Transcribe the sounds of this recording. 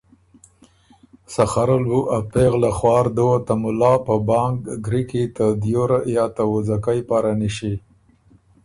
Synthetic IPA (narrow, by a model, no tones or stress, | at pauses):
saxaɾalbuʔapeɣlaxwɑːɾd̪owat̪amʊlɑpəbɑŋɡɡɾikit̪əd̪joɾajɑt̪awuzakajpɑɾaniʃi